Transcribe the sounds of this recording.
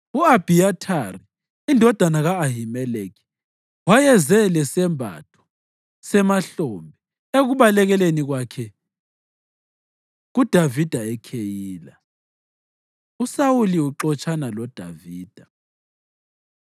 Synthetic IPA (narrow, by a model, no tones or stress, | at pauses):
uab̥ʱiatʰari | indʱɔd̥ʱanaɣaːɦimɛlekʰi̥ | wajɛzɛlɛsɛmbʱa̰tʰɔ̥ | sɛmaɬoːmbʱɛ | eɣuβalɛɣɛleniɣwakʰɛ | ɣud̥ʱavid̥ʱaɛkʰejiːla | usawuliuǁɔt͡ʃʰʼanalɔd̥ʱa̰viːd̥ʱa